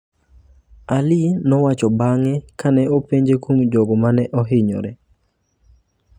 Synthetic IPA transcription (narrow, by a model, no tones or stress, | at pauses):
alɪnɔwat͡ʃɔbaŋɛkanɛopeɲd͡ʒekwomd͡ʒoɡɔmanɛʔɔɦɪɲɔ̰ɾɛ